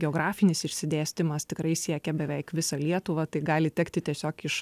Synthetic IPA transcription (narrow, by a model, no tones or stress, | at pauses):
ɡʲɛoːɡɾɑːfʲɪnʲɪsɪʃʲsʲɪd̪ʲæːsʲt̪ʲɪmɐst̪ʲɪkɾɐɪsʲiɛkʲɛbʲɛʋʲɛɪkʋʲɪsɐlʲiɛt̪ʊʋɐt̪ɐɪɡɑːlʲɪt̪ʲɛkt̪ʲɪt̪ʲiɛsʲoːkɪʃ